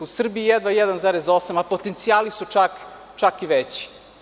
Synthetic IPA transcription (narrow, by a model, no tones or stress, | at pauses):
usr̩biijɛd̪ʋaijɛd̪anzaːɾezo̞samapo̞t̪ent̪sijaːlisut͡ʃak | t͡ʃakiʋet͡ɕi̥